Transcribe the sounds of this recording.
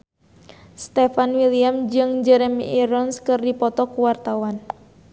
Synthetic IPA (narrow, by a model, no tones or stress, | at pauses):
st̪ɛfanwiliamd͡ʒɨŋd͡ʒɛɾɛmiiɾɔnskɨrdipɔt̪ɔkuwart̪awan